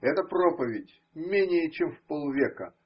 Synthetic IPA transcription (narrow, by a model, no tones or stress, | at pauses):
ɛt̪əpropəvʲɪdʲ | mʲenʲɪjət͡ɕemfpolˠvʲekə̰